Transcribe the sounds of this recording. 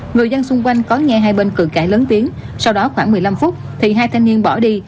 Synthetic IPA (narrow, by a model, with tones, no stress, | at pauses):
ŋɨ˨˩əjzə˧nsʊ˧ŋ͡mkwa˧jŋ̟kɔ˨˦ŋɛ˧ɦaː˧jɓe˧nkɨ̰˧˩ka̰ː˧˩ləː˨˦nt̪i˨˦ən | sa˧wɗɔ˨˦xwaː˧˩ŋmɨ˨˩əjla˧mfʊ˦˥k͡p̚t̪ʰi˨˩ɦaː˧jt̪ʰaː˧jni˧ənɓɔ˧˩ɗi˧